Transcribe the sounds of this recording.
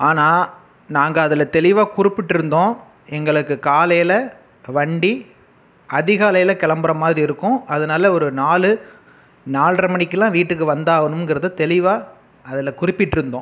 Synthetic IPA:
aːnaː | naːŋɡɐːðɯlɐt̪ɛɭɪʋaːkʊɾɪpːɪʈːɪɾɯnd̪õː | ɛŋɡɐɭɯkːɯkaːlɐjɪlɐ | ʋɐɳɖi | ɐðɪɣaːlɐjɪlɐkɛɭɐmbɐɾɐmaːðɾiɪɾɯkːʊ̃ʔɐðɯnaːlɐɔɾɯnaːlɯ | naːlrɐmɐɳɪkːɯlãːʋiːʈːɯkːɯʋɐnd̪aːɣɐnɯmŋɡɪɾɐðɯt̪ɛlɪʋaː | ɐðɪlɐkʊrɪpːɪʈːɪɾɯnd̪õ̰ː

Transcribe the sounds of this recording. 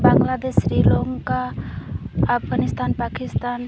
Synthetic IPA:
baŋɡlad̪esɾiloŋkaː | pʰɡanist̪anpakist̪an

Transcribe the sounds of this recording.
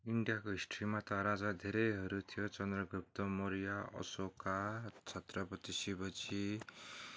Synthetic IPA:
iɳɖijakoɦisʈʰʌɾimat̪ʌɾad͡zad̪ʱeɾʌjɦʌɾut̪ʰijot͡sʌnd̪rʌɡup̚t̪ʌmoɾijaʌ̰sokat͡sʰʌt̪rʌpʌt̪isibʌt͡sʰi

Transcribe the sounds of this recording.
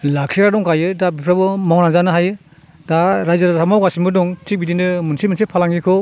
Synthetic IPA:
lakʰiɾadɔŋkajɯdabipʰɾabɯmɔŋnazanɯɦajɯ | daɾajzaɾasamawɡasimbɯdɔŋtik̚bidindɯmunsimɯnsipʰalaŋɡikʰɔ

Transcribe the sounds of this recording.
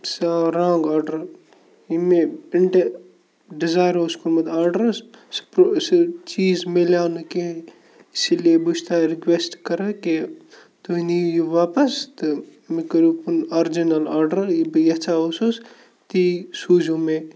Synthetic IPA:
saɾãːŋɡaːɾɖɐɾ | imeɪɳʈe | ɖizaːjɾoskunmɐd̪aːɾɖɐɾsspɾost͡ʃiːzmelaːnke | ɪsiliebuʃt̪aɾɪkʋesʈkɐɾɐke | t̪uinijuʋaːpɐst̪ɨ | mikɐɾupunaɾd͡ʒinɐlaːɾɖɐɾjibjɐt͡ʃaosus | t̪isuːd͡ʒõme

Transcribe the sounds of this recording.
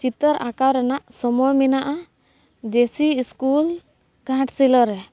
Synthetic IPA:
t͡ʃit̪əɾakawɾɛnaʔsɔmɔjminaʔa | d̪esiːskul | ɡʱãʈsilɔɾɛ

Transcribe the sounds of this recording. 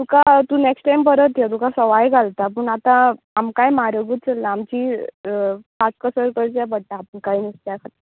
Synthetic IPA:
t̪ukat̪uːneksʈʈajmpəɾət̪ːjat̪ukasəʋajɡʱalt̪ap̬əɳat̪ãː | mkajmaɾəɡuːt̪̚t͡səlːaːmt͡ɕiː | pat͡skəsəɾkəɾt͡ɕapəɽʈ̪aːpəɳkaiːnist̪jakʰat̪i

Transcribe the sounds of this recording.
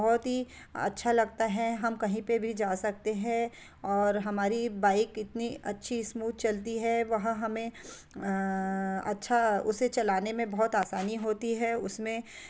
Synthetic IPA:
ɔɦɔt̪ɦi | ɐ̰tːʃʰalɐɡt̪aɦɛɦɐmkɐɦĩpebʱid͡ʒaːsɐk̚t̪eɦɛ̃ | ɔːɾɦɐmaːɾibaːɪkɪt̪niɐtːʃʰismuːd̪̚t͡ʃɐlt̪iɦɛʋɐɦɦɐmẽ | ɐ̰tːʃʰaʊset͡ʃɐlaːnemẽbɔɦt̪aːsaːniɦoːt̪iɦɛʊsmẽ

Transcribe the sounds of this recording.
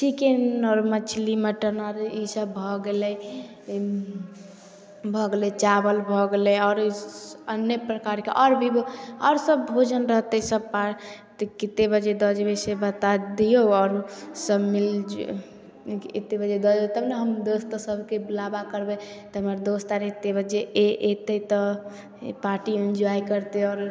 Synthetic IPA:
ʈʰikeɔɾmət͡ʃʰliməʈənɔɾisəbbʱɔɡelɛ | bʱɔɡelet͡ʃabəlbʱɔɡeleɔːɾiənjepɾəkaɾkeʔɔɾbʱiboɔɾsəbbʱod͡ʒənɾəɦt̪esəb̚pat̪kit̪ebəd͡ʒed̪əd͡ʒbesebət̪ad̪ijoɔːɾsəbmild͡ʒ | it̪ebəd͡ʒed̪ɔd͡ʒbet̪əbneɦəmd̪ost̪əsəbʱkeblabakəɾbet̪ɔɦəməɾd̪ost̪aɾet̪ebəd͡ʒeʔeʔet̪ət̪ɔ | paʈind͡ʒuaikəɾt̪eɔːɾ

